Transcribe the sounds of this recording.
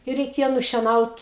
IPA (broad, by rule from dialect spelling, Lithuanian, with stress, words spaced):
ɪ rʲɛɪˈkʲeːjoː nʊʃʲiɛˈnɐʊt